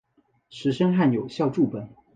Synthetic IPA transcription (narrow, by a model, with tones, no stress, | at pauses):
ʂɻ̩˧˥ʂə˥ŋxa˥˩njo˨˩ʊɕjɑ˥˧ʊʈ͡ʂu˥˩pə˨˩˦n